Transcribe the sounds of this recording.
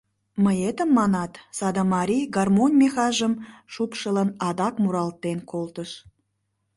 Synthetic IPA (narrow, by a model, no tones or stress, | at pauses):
məjet̪əmːɑnɑt̪sɑd̪ɑmɑɾʲiɡɑrmonʲmexɑʒəmʃupʃələnɑd̪ɑkmuɾɑlt̪ːenkolt̪əʃ